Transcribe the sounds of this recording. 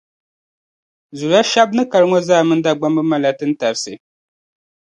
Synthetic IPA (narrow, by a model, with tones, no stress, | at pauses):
zu˨ɾa˦ʃa˦b̚nɨ˦ka˨ɾɨ˦ŋo˦zaː˦˨mɨ˦n˦da˦˨ɡ͡ba˦mbɨ˦ma˦la˦tɨ˦n̩˦ta˨ɾɨ˦sɨ̰˨